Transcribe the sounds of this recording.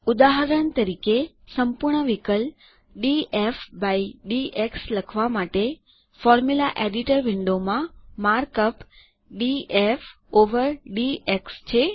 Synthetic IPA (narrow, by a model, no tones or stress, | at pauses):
ud̪aɦəɾəɳt̪əɾike | səmpuɾɳəʋikəl | ɖiefbaiɖieksləkʰʋamaʈe | fɔɾmulaʔeɖiʈəɾʋɪɳɖomãmaɾkəp | ɖief | oʋəɾɖiekst͡ʃʰe